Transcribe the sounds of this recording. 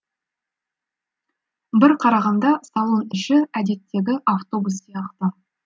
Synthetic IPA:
bɪɾqʰɑɾɑʁɑnd̪ɑsɑlˠo̞nɪʃɪæd̪e̞t̪ːe̞ɡʲɪʔaft̪o̞busːijɑqt̪ɑ

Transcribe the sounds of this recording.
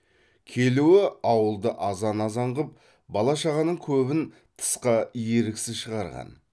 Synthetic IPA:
kʲʰe̞luɪɑwəlˠd̪əʔɑzɑnɑzɑɴʁəp̚ | bɑlˠɑʃɑʁɑnəɴkʲʰɵbɪn | t̪ʰə̥sqɑjeɾɪksɪzʃəʁɑɾʁɑ̰n

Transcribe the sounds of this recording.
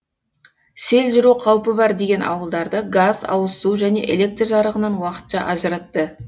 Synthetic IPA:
se̞lʒɪɾuqʰɑwpəbɑɾd̪e̞ɡʲe̞nʔɑ̰wəlˠd̪ɑɾd̪əɡazɑ̰wəst̪uʒæne̞̰ʔe̞̰le̞k̚t̪rʒɑɾəʁənɑnwɑqə̥t̪ʃɑ̰ʔɑʒəɾɑt̪ːə

